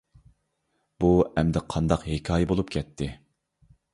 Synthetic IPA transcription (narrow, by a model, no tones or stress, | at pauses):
b̥uɛmd̪ɪqʰɑnd̪ɑqɦekʲʰɑːjɛbolˠupkʲʰɛt̪ʰːɪ